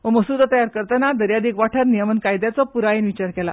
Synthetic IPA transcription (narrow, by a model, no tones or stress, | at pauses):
ʋəməsud̪at̪əjaɾkəɾt̪anad̪əɾjad̪iːkʋaʈʰəɾnijəmənkajd̪jat͡sɔpuɾainʋit͡ɕaɾkɛla̰